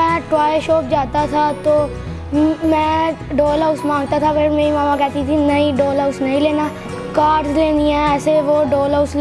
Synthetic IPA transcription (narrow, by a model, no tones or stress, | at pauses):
ɛ̃ʈɾaːjəɾʃoːp̚d͡ʒaːt̪at̪ʰat̪oː | mɛ̃ːɖoːlaʊsmãːŋɡ̚t̪at̪ʰapʰɪɾmeːɾimaːmãkɛːt̪it̪ʰinɐiɖoːlaʊsnɐɦĩleːnaː | kaːɾɖzleːniɛ̃ɛːseʋoɖoːlaʊsl